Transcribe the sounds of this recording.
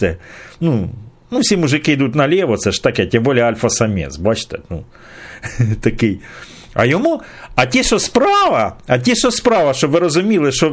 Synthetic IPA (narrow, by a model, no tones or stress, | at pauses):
t̪ɛnu | nufsʲimʊʐɪkɪɪd̪ut̪ʲnɐlʲeʋɔsɛʂt̪ɐkɛtʲɛmbolʲɪɛalʲfɐsɐmʲḛsbɐt͡ʃt̪ɛ̰nṵ | t̪ɐkɪj | ɐ̰jɔmu | ɐtʲiʃɔspɾɑʋɐɐtʲiʃɔspɾɑʋɐʃɔbʋɪɾɐzʊmʲilˠɪʃɔ